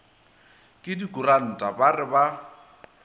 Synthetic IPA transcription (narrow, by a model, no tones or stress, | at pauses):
kʼɪdikʼuran̩tʼabarɪba